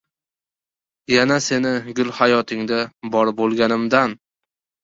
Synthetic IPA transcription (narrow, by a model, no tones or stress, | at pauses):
janase̞nɪɡʲʊlˠhajɒt̪ʰɪŋd̪abɒɾbolˠɡʲanɪmd̪an